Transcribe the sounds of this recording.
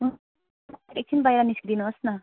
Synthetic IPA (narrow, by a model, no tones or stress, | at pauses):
ɾek̚t͡sʰinbajɾaniskdinuɦosnʌ